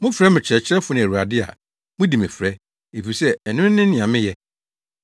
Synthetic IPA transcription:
mʊ̃˦fɾɛ˦mɪ̃˨t͡ɕʰɪ˦ɛ˨t͡ɕʰɪ˦ɾɛ˦fʊ˨˦nɪ̃˨æ˨ɾu˨a˨dɪ˦a̰˨ | mʊ̃˦di˨mɛ̃˨fɾɛ˦ | e˨fi˨sɛ˦ɛ˨nʊ̃˦n˦nɪ̃˦nɪ̃˨ã˨mɪ̃˦jɛ˦

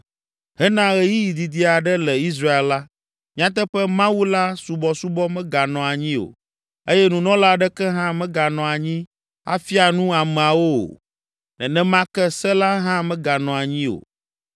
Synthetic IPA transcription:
ɦɛ˦nã˦ɣɛ˨ji˦ji˨d̪i˨d̪i˦a˨ɖɛ˦lɛ˨i˦s̬ɾa˦e˨lla˦ | m̃˦ã˦t̪̬ɛ˦ɸɛ˦mã˦wu˦la˦su˨bɔ˨su˦bɔ˦mɛ̃˦ɡa˨nɔ̃˨a˨ɲĩ˦o̰˨ | e˦jɛ˦nũ˨nɔ̃˦la˦ɖɛ˦kɛ˦ɦã˦mɛ̃˦ɡa˨nɔ̃˨a˨ɲĩ˦ | a̰˦fi˦a˨nũ˦a˨mɛ̃˨a˨wo̰˦˨ | nɛ̃˨nɛ̃˦mã˦kɛ˦sɛ˦la˦ɦã˦mɛ̃˦ɡa˨nɔ̃˨a˨ɲĩ˦o̰˨

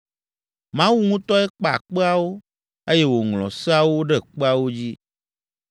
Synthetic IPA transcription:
mã˦wu˦ŋũ˦t̪ɔ˦ɛ˦k͡pa˨a̰˨k͡pe˦a˦wo˦ | e˦jɛ˦wo˨ŋlɔ̰̃˨sɛ˦a˦wo˦ɖe˦k͡pe˦a˨wo˦d͡ʑi˦

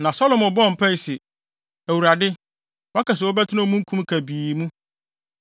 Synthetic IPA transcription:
nã˨sɔ˦lɔ˨mʊ˨bɔ̃˦˨m̩˨pʰa˦i˨sɛ˨ | æ˨wu˨ɾa˨dɪ˦ | wã˦ka˨s̬wɔ˦bɛ˦tʰɪ˦nã˦mũ˦ŋ̩˦kʰũ˦mkʰæ˨biː˨mũ˦

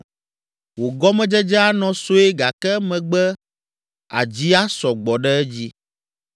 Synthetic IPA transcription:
wo˨ɡɔ˦mɛ̃˦d͡ʒɛ˦d͡ʒɛ˦a˦nɔ̃˦so˦e˦ɡa˨kɛ˦mɛ̃˨ɡ͡bɛ˦ | a̰˨d͡ʑi˦a˦sɔ˨ɡ͡bɔ˨ɖɛ˦ɛ˦d͡ʑi˦

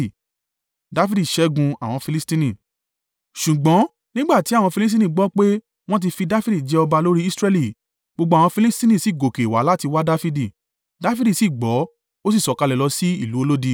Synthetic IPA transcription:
da˦fi˦di˦˨ʃɛ˨˦ɡũ˧a˨w̃ɔ̃˧fi˧li˦stĩ˦nĩ˦˨ | ʃu˨ɡ͡bɔ̃˨˦ | nĩ˦ɡ͡ba˦˨ti˨˦a˦˨wɔ̃˧fi˧li˦s̬tĩ˦nĩ˦˨ɡ͡bɔ˦k͡pe˦ | w̃ɔ̃˦t̬i˧fi˧da˦fi˦di˦˨d͡ʒɛ˧˦ɔ˧ba˧lo˦ɾi˦i˦sɾɛ˧˦li˨ | ɡ͡bo˧ɡ͡ba˨wɔ̃˧fi˧li˦stĩ˦nĩ˦˨si˨ɡo˨ke˨wa˨˦la˦ti˧wa˦da˦fi˦di˦˨ | da˦fi˦di˦˨si˦˨ɡ͡bɔ˨˦ | o˦s̬i˦˨sɔ˨ka˧lɛ˨lɔ˧si˦i˦˨lu˨˦o˧lo˦di˧

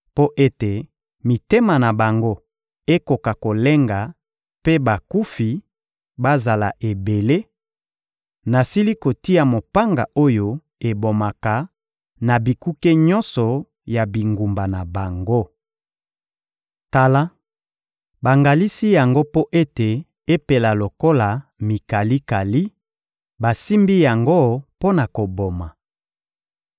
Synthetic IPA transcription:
po˦ʔe˦te˨ | mi˨te˦ma˨na˨ba˨ŋɡo˦ | e˦ko˨ka˨ko˨le˦ŋɡa˨ | pe˦ba˨ku˦fi˨ | ba˦za˨la̰˨ʔe˨be˨le˦ | na˨si˦li˦ko˨ti˦a˨mo˨pa˦ŋɡa̰˨ʔo˦jo˦ | e˨bo˨ma˨ka˨ | na˨bi˨ku˦ke˦ɲɔ̃˦nsɔ˨ | ja˨bi˨ŋɡu˨mba˨na˨ba˨ŋɡo˦ | ta˨la˦ | ba˨ŋɡa˨li˦si˦ja˨ŋɡo˦po˦ʔe˦te˨ | e˦pe˨la˨lo˨ko˦la˨mi˨ka˨li˦ka˨li˦ | ba˨si˦mbi˦ja˨ŋɡo˦po˦na˨ko˨bo˨ma˨

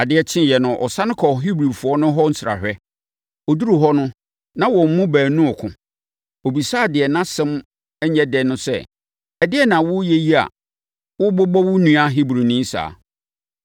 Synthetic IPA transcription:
a˨dɪ˦ɛ˦t͡ɕʰɪ̃˦˨jɛ˨nʊ̃˨ʔɔ̰˨sã˦nʊ̃˦kʰɔ˨ɦi˦bɾi˨fʊ˨ɔ˦nʊ̃˦ɦɔ˦n̩˦sɾa̰˨ɕᶣɛ˦ | ɔ˨du˦ɾu˨ɦɔ˦nʊ̃˦ | nã˦wɔ˨m̩˦mʊ̃˦bæː˨nũ˦ɔ˨kʰʊ̰̃˨ | o˨bi˨saː˦˨dɪ˨ɛ˨nã˦sɛ̃˦m | ɛ˦ɲɛ˦dɛ˨nʊ̃˦sɛ̰˦˨ | ɛ˨dɪ˦ɛ˦nã˨wʊ˦jɛ˦ji˦a̰˨ | wʊ˦bɔ˦bɔ˦wʊ˦nũ˦a˦ɦi˦bɾi˨nĩ˦sa̰ː˨

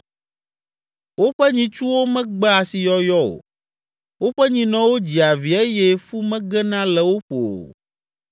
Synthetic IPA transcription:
wo˦ɸɛ˦ɲĩ˨t͡ʃu˦wo˦mɛ̃˦ɡ͡bɛ˦a˨si˨jɔ˦jɔ˦o̰˨ | wo˦ɸɛ˦ɲĩ˨nɔ̃˦wo˦d͡ʑi˨a˨vi˨e˦jɛ˦fu˦mɛ̃˦ɡɛ˦nã˦lɛ˨wo˦ɸo̰˨

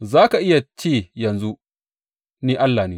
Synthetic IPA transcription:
zaː˦ka˨ʔɪ˦ja˨t͡ʃeː˦˨jɐ˨nzu˦ | niː˦ʔa˦lːaː˨niː˦

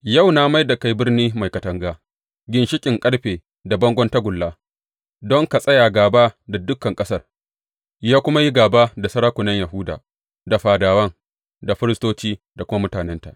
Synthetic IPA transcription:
ja˦˨wnaː˦ma˦jda˨ka˦jbɪ˦rniː˦ma˨jkɐ˨tɐ˨ŋɡaː˦ | ɡʲɪ˨nʃɪ˦kʲʼɪ˨ŋkʼɐ˦ɽɸeː˨ | da˨bɐ˦ŋɡʷɔ˦nta˦ɡʷʊ˨lːaː˦ | dɔ˦ŋka˨sʼɐ˦jaː˨ɡaː˨baː˦da˨dʊ˦kːɐ˨ŋkʼɐ˦sɐ˦˨r | jaː˦kʷʊ˦ma˦ji˦ɡaː˨baː˦da˨sɐ˦ɾaː˦kʷʊ˨nɐ˦ɲja˨ɦʊ˦da̰ː˨ | da˨ɸaː˨daː˨wɐ˦ŋ | da˨ɸɪ˦ɾɪ˦stoː˦t͡ʃiː˦da˨kʷʊ˦ma˦mʊ˦taː˨nɛ˦nta̰˨ʔ

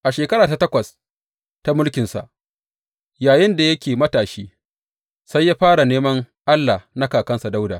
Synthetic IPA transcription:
ʔa˨ʃeː˨kɐ˦ɾaː˨ta˨tɐ˦kʷɐ˨s | ta˦mʊ˦lkʲɪ˨nsa̰˨ʔ | jaː˨jɪ˦nda˨jɐ˦kʲeː˨mɐ˦taː˨ʃiː˦ | sa˦jːaː˦ɸaː˦ɽa˨neː˦mɐ˦ŋ | ʔa˦lːa˨na˦kaː˨kɐ˦nsa˨da˦wda̰ː˨

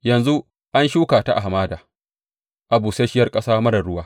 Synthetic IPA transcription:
jɐ˨nzu˦ | ʔa˦nʃuː˦kaː˨ta˦ʔa̰˨ɦa˨maː˦daː˨ | ʔa˨buː˨seː˦ʃɪ˦jɐ˦rkʼɐ˦saː˦mɐ˦ɽɐ˨ɽʊ˦waː˦

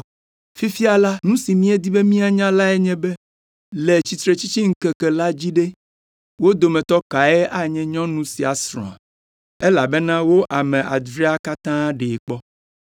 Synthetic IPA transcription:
fi˦fi˦a˨la˦nũ˦si˨mĩ˦e˦d̪i˦be˦mĩ˦a˨ɲã˦la˦e˦ɲɛ̃˦bɛ˦ | le˨t͡ɕi˨t̪ɾe˨t͡ɕi˦t͡ɕi˦ŋ̩˦kɛ˦kɛ˨la˦d͡ʑi˦ɖe˦ | wo˦d̪o˨mɛ̃˨t̪ɔ˦ka˨e˦ʔa˦ɲɛ̃˦ɲɔ̃˦nũ˦si˨a˨sɾɔ̰̃˨a̰˨ | e˦la˨be˦nã˦wo˦ʔa˨mɛ̃˨ʔa˨d̪ɾi˦a˦ka˦t̪ã˦ɖe˨k͡pɔ˦

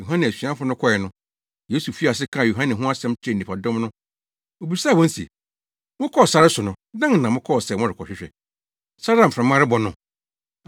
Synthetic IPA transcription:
jo˨ɦã˦nɪ̃˨æ˨sɥã˦fʊ˦nʊ̃˦kʰɔ˦ɛ˨nʊ̃˦ | je˦su˨fi˦a˨s̬ɪ˦kʰã˦˨o˨ɦã˦nɪ̃˨ɦʊ̃˦a˦sɛ̃˦mt͡ɕʰᶣɛ˦˨ĩ˨pʰa˨dʊ̃˦mnʊ̃˦ | o˨bi˨sa˦˨wɔ̃˦n˦sḛ˨ | mʊ̃˦kʰɔ˦ɔ˨sa˦ɾɪ˦sʊ˨nʊ̃˨dã˦˨nã˨mʊ̃˦kʰɔ˦ɔ˨sɛ˨mʊ̃˦ɾɪ˨kʰɔ˨ɕᶣɪ˦ɕᶣɛ̰˨ | sa˦ɾã˦˨m̩˨fã˨mã˦ɾɪ˦bɔ˨nʊ̃˨

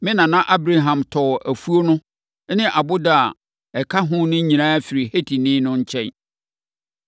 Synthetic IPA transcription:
mɪ̃˦nã˨nã˦ʔa˦bɾa˦ɦã˨mtʰɔ˨ʔæ˨fu˦o˦nʊ̃˦ | nɪ̃˦ʔa˨bʊ˦da˦a˨ | ɛ˨kʰa˦ɦʊ̃˦nʊ̃˦ɲĩ˨ã˦fɪ˨ɾi˨he˦tʰi˨nɪ̃˦nʊ̃˦ɲ̩˦t͡ɕʰɛ˦

